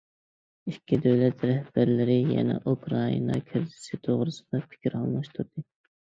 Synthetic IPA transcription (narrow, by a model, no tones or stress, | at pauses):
ikʲʰːid̪øwlɛt̪ɾɛhb̥æɾlɪɾɪjɛ̰nɛ̰ʔukʰɾɑḭnɑkʲʰɪɾd̪ɪ̥sɪt̪ʰoʁɾɨsɨd̪ɑpʰɪ̥kʲiɾhɑ̰lˠmɑʃt̪ʰuɾd̪ɨ